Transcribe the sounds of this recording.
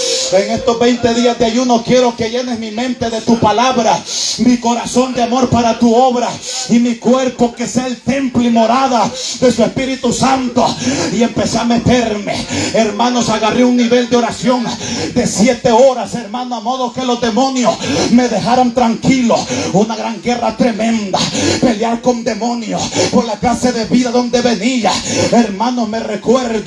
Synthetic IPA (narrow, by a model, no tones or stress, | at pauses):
e̞ŋe̞st̪ozbejnt̪e̞ðiazd̪eajunokje̞ɾo̞ke̞ʝe̞ne̞zmimẽ̞nt̪e̞ðe̞t̪upalaβɾamiko̞ɾaso̞nd̪eamo̞ɾpaɾat̪uo̞βɾaimikwe̞ɾpo̞ke̞seaelt̪e̞mplimo̞ɾaðad̪e̞suespiɾit̪usant̪oie̞mpe̞seamet̪e̞ɾme̞eɾmãno̞saɣareunːiβe̞ld̪eo̞ɾasjo̞nd̪e̞sjet̪e̞o̞ɾase̞ɾmãnoamo̞ðoke̞lo̞zðe̞mo̞njo̞sme̞ðe̞haɾant̪ɾaŋkilounaɣɾaŋɡe̞rat̪ɾe̞mẽ̞nd̪ape̞ljaɾko̞nd̪e̞mõ̞njospoɾlakase̞ðe̞βiðaðo̞nd̪e̞βe̞niaeɾmãnozme̞re̞kweɾð